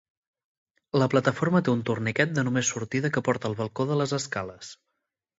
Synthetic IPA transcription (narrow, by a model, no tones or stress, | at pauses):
ləplət̪əfoɾmət̪eunt̪urnikɛt̪̚d̪ənumesːuɾt̪iðəkəpɔɾt̪əːlˠβəlˠkoðələzəskaləs